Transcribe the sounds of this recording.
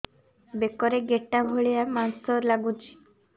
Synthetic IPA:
bekɔɾeɡeʈːabʱoɭijamansɔɾlaɡut͡ʃi̥

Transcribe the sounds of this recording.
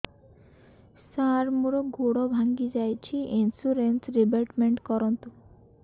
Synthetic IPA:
saɾmuɾoɡoɽobʱaŋɡid͡ʑajt͡ɕʰiʔinsuɾensɾibelʈmeɳʈkɔɾont̪u

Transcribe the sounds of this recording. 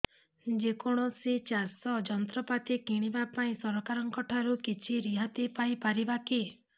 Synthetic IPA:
d͡ʒekɔɽ̃ɔset͡ʃasɔd͡ʒɔnt̪ɾɔpat̪ikiɽ̃ibapaĩsɔɾɔkaɾɔŋkɔʈʰaɾukit͡ʃʰiɾiɦat̪ipajpaɾibaki

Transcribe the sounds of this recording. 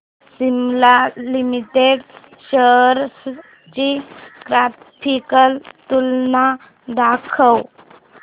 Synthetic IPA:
simlalimiʈeɖ | ɕəɾs | t͡ɕikɾa | pʰikəlt̪ulna | d̪akʰəw

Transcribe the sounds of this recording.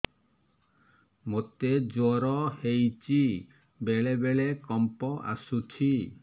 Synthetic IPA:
mot̪ed͡ʒɔɾɔhejt͡ʃi | beɭebeɭekɔmpɔʔa̰sut͡ʃʰi

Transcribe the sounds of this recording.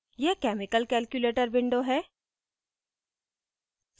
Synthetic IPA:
jɛkɛːmɪkəlkɛːlkjuleːʈəɾbɪ̃ɳɖoɦɛː

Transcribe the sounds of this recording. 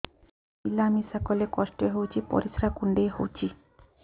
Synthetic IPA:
milamisakɔlekɔʃʈoɦowt͡ɕʰipɔ̰ɾisɾakuɳɖeɦo̰wt͡ɕʰi

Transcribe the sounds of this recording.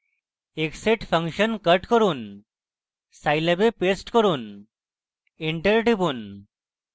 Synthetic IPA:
ekseʈfʰəŋkɕənkəʈkəɾuːn | sajləbepesʈkəɾuːn | iɳʈəɾʈibuːn

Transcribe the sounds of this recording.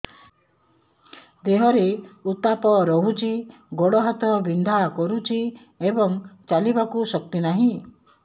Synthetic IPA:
d̪eɦɔɾeut̪apɔɾɔɦut͡ʃʰi | ɡoɽɔɦat̪ɔbind̪ʱakɔɾut͡ʃʰi | ebɔŋt͡ʃalibakusɔk̚t̪inaɦĩ

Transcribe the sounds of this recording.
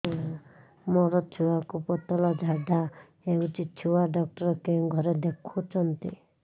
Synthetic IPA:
mɔɾɔt͡ʃ̪ʰuwakupɔt̪ɔlɔd͡ʒʱaɖʱa | eut͡ʃit͡ʃʰuwaɖɔk̚ʈɔɾɔkẽɡʱɔɾed̪ekʰut͡ʃʰɔnt̪i

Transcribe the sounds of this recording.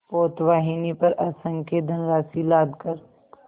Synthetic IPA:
poːt̪ʋaːɦinipɐɾʔɐːsə̃ŋked̪ʱɐnɾaːsilaːd̪kɐɾ

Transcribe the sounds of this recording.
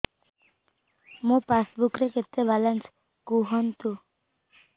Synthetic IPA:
mũpasbukɾeket̪ːebalans | kuɦɔnt̪u

